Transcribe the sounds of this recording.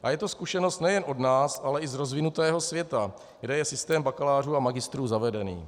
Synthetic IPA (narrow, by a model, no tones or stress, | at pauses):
ʔajɛt̪o̞skuʃɛnost̪nɛjɛnʔo̞dnaːsʔalɛʔɪzɾo̞zvɪnut̪ɛːɦo̞svjɛt̪a | ɡdɛjɛsɪst̪ɛːmbakalaːr̝uːamaɡɪst̪ɾuːzavɛdɛnḭː